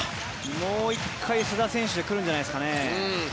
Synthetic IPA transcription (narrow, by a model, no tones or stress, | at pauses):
moːikʰːaisɨd̪asẽ̞ɰ̃ɕɨd̪e̞kɯɾɯ̟̃ɲ̟d͡ʑanaiskane